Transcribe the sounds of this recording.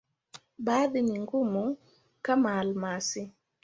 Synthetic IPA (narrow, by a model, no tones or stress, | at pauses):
baðɪniŋɡumu | kamalmasɪ